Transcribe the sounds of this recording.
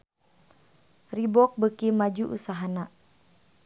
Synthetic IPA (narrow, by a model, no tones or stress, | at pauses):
ribɔk̚bəkimad͡ʒuʔṵsaɦana